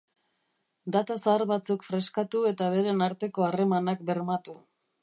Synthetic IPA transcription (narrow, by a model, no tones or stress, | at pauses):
d̪at̪asaːɾβat͡sukfɾe̞skat̪ue̞t̪aβ̞e̞ɾe̞naɾt̪e̞ko̞are̞manak̚be̞ɾmat̪u